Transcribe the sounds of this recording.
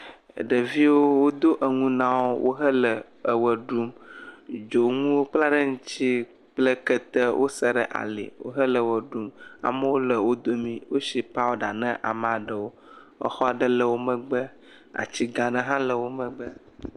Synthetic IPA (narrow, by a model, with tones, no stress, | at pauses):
ə̰˨ɖə˨vi˦wo˦wo˦d̪o˦ʔə˨ŋũ˦nã˦wo˦wʔo̰˦ɦə˦lə˨ | ə˨wə˨ɖu˦m | d͡ʒo˨ŋũ˦wo˦k͡pla˦ɖə˦ŋũ˦t͡ɕi˦ | k͡plə˦kə˦t̪ə˦wʔo̰˦sə˦ɖə̰˨ʔa̰˨lḭ˨wo̰˦ɦə˦lə˨wə˨ɖu˦ma̰˨mə˦wo˦lə˨wo˦d̪o˦mĩ˦wo˦ʃi˨pa˦wo˦ɖa˨nə̃˦ʔa̰˨m˨a˨ɖə˨wo˦ | ə̰˨xɔ˦a˨ɖə˦lə˨wo˦mə̃˦ɡ͡bə˦ | a̰˨t͡ɕi˦ɡa˨nə̃˨ɦã˦lə˨wo˦mə̃˦ɡ͡bə˦